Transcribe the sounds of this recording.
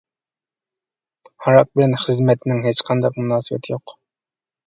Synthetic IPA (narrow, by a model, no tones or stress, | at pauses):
hɑɾɑk̚bɪlɛnχɨzmɛt̪ʰnɪŋɦet͡ʃqʰɑnd̪ɑq̚munɑːsɨbɛ̰t̪ʰɪjoq